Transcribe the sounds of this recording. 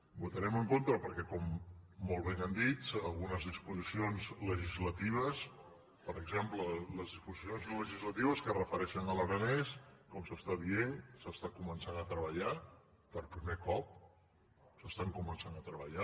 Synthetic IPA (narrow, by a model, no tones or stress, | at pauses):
but̪əɾɛməŋkont̪ɾəpəɾkɛkɔmːolˠβ̞enənd̪it͡səlˠɣunəzð̞ispuzisionzləʒizlət̪iβ̞əs | pəɾəɡzemplələzðispuzisionznoləʒizlət̪iβ̞əskərəfəɾɛʃənələɾənɛskɔmsəst̪aðiensəst̪akumənsanət̪ɾəβəʎa | pəɾpɾimekɔp̚ | səst̪aŋkumənsanət̪ɾəβəʎa